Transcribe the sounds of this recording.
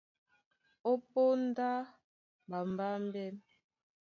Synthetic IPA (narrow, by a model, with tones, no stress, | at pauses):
o˦po˦n˦da˦ | ba˨m˨ba˦m˦bɛ˦m